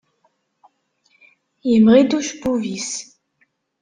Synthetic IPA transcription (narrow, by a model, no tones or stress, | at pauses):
jimʁid̪uʃbuvis